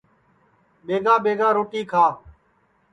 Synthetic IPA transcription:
ɓeːɡãːɓeːɡãːɾoːʈiːkʰaː

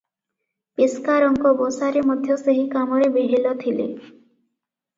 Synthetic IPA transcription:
piskaɾɔŋkɔbosaɾemɔd̪ʱjɔseɦikamɔɾebiɦilɔt̪ʰilḛ

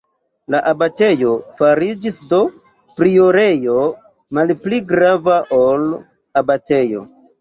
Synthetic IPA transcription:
laʔabate̞jo̞faɾid͡ʒisdo̞ | pɾio̞ɾe̞jo̞ | malpliɡɾavaʔol | abate̞jo̞̰

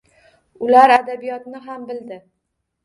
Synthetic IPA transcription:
ʊlaɾad̪abijɒt̪nɪɦambɪld̪ɪ

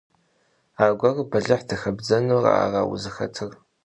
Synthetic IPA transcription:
aːɡʷɐrbɐɮɐħdɨxɐbd͡zɐnura̰a̰ːra̰ːwʊ̰zɨxɐ̰tʰɨr

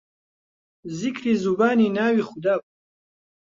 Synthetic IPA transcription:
zikʰɾizubaːninaːwiχud̪aːp̚

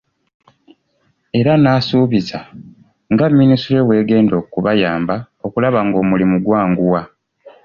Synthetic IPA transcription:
e̞ɾanaːsuːβiza | ŋɡamːinisuɾewe̞ːɡe̞ːndo̞ːkuβajaːmba | o̞kulaβaŋɡo̞ːmulimuɡwaːŋɡuwa

